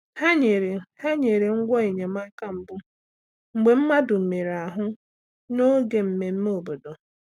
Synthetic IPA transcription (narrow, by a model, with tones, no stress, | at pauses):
ha˦ɲe˨ɾe˨ha˦ɲe˨ɾe˨ŋ̩˦ɡʷɔ˦e˨ɲe˨ma˦ka˦m̩˨bʊ˦ | ŋ͡m̩˨ɡ͡be˨m̩˦ma˦dʊ˨m̩˨me˨ɾa˨ɦʊ˦ | no˦ɡe˨m̩˨me˨m̩˦me˦o˨bo˨do˨